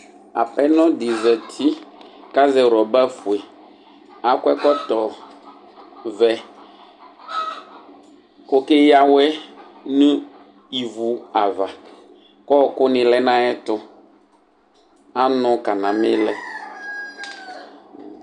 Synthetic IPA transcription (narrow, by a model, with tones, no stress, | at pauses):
a̰˨pɛ˦nɔ̃˦dɪ˨vɛ˨t̪ʰi˦ka˦zɛ˨wɾɔ˨ba˦fu˨e˨ | a˨kwɛ˦kɔ˦t̪ɔ˨ | vɛ˨ | kʊ˦kɪ˦ja˦wɛ˦ | nũ˦ | i˨vu˨a˨va˨ | kɔ˦˨kʊ˦nɪ̃˨lɛ˦nã˦ɛ˦t̪ʊ˦ | a˦nʊ̃˨ka˨nã˨mɪ̃˦lɛ˦